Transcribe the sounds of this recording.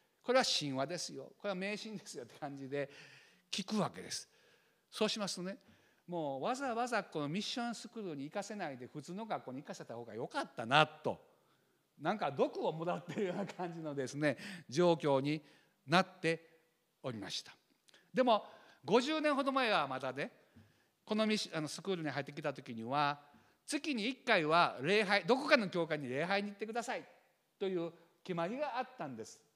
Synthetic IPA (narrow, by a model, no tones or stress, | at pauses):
ko̞ɾe̞βaɕĩɰ̃βad̪e̞sɨjo̰ko̞ɾe̞βame̞ːɕĩnd̪e̞sɨjo̞t̪ːe̥kãɲ̟d͡ʑid̪e̞ | kʲikɯ̟βake̞d̪e̞̰sɨ̥ | so̞ːɕimasɨ̥t̪one | moːβazaβazakːo̞nomʲiɕːõ̞ñsɨkɯ̟ɾɯɲ̟iːkase̞naid̪e̞ɸɯ̟t͡sɨːno̞ɡakːoːɲ̟ikaseet̪aho̞ːɡa̰jo̞kat̪ːanat̪ːo̞̰ | nãŋkad̪o̞kɯ̟omo̞d̪at̪ːeɾɯ̟jo̞ːnakʰãɲ̟d͡ʑino̞d̪e̞sɨne̞d͡ʑo̞ːkʲo̞ːɲ̟i | nat̪ːe̞ | o̞ɾʲima̰ɕi̥t̪ḁ | d̪e̞mo̞ | ɡo̞ʑɨːnẽɰ̃ɦo̞d̪o̞mae̞βamat̪ane̞ | ko̞no̞mʲiɕano̞sɨ̥kɯ̟ːɾɯ̟ɲ̟iɦait̪ːek̬ʲit̪at̪o̞kʲiɲ̟iβa | t͡sɨkʲiɲ̟iːkːaiβaɾe̞ːɦaid̪o̞kokano̞kʲo̞ːkaiɲ̟ːiɾe̞ːɦaiɲ̟iːt̪ːe̞kɯ̟d̪asai | t̪o̞jɯ̟ː | kʲimaɾʲiɡaːt̪ːãnd̪e̞sɨ̥